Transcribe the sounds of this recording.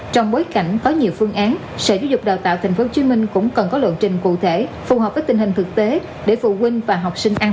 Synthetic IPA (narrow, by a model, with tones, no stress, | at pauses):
t͡ɕɔ˧wŋ͡mɓoː˨˦jka̰˧˩jŋ̟kɔ˨˦ɲi˨˩əwfɨ˧əŋʔaː˨˦n | sə̰˧˨˩zaː˨˦zʊ˨˩k͡p̚ɗaː˨˩wt̪a̰ː˧˨wt̪ʰa˨˩ŋ̟fo˨˦t͡ɕwi˨˦mï˧ŋ̟kʊ̰˧˥ŋ͡mkə˨˩nkɔ˨˦lwə̰˧˨nt͡ɕï˨˩ŋ̟kṵ˧˨t̪ʰe˧˩fu˨˩həː˨˩p̚vəː˨˦jt̪ï̟˩hï˨˩ŋ̟t̪ʰɨ˨˩k̚t̪e˨˦ | ɗe˧˩fṵ˧˨kwï˧ŋ̟vaː˨˩ɦa˨˩wk͡p̚sï˧ŋ̟ʔaː˧n